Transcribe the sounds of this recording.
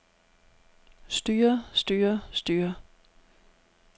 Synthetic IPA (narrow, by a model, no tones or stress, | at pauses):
sd̥yːɐsd̥yːɐsd̥yːɐ